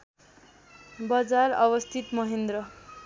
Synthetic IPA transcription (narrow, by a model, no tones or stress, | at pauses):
bʌd͡zarʌbʌst̪ʰit̪mʌɦend̪ɾʌ